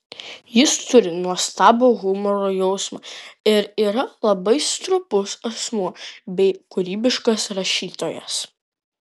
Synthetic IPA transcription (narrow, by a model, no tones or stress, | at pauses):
jɪst̪ʊɾʲɪnuɔst̪ɑːboːɣʊmɔɾoːjɛʊsmɐːɪɾiːɾɐlˠɐbɐɪst̪ɾʊpʊsɐsmuɔbʲɛɪkʊɾʲiːbʲɪʃkɐsɾɐʃʲiːt̪oːjɛ̰s